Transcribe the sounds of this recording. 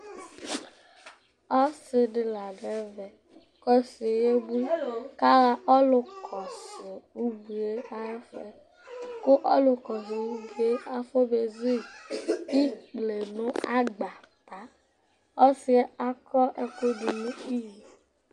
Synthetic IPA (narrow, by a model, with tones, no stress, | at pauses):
ɔ˦sɪ˨ɖɪ˨la˨ɖɛ˨˦vɛ˨ | kɔ˦si˨je˦bu˦ka˦ɾa˦ʔɔ˦lʊ˨kʰɔ˨sɪ˨wu˦ɡ͡bu˨e˦a˦e˦fɛ˦ | ko˦ʔɔ˦lo˨kɔ˨s̬ɪ˨wu˦ɡ͡bu˨e˦a˨˦fo˦be˨zi˦˨i˦k͡ple˨nʊ̃˦a˦ɡ͡ba˨ | pa˨˦ | ɔ˦si˦ɛ˦a˦kɔ˦ʔe˨ko˦ɖu˨nũ˦i˦ji˨